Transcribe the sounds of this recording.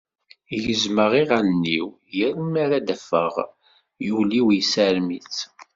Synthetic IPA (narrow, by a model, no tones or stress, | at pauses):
jəzməʁiʁænnːiw | jəɾmæɾæd̪əfə̰ʁ | juliwjsæɾmit͡s